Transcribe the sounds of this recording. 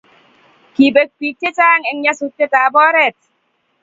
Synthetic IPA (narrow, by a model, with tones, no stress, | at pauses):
ki˨be˨k̚pi˨tːe˦t͡ʃaː˦ŋɛ˨ŋɲa˦su˨tːe˦taː˨bɔ˦ɾɛ˦˨t̚